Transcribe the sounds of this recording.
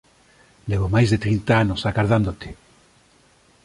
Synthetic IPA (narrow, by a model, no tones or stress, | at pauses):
leβomajzðet̪ɾint̪aanosaɣaɾðand̪ot̪e̥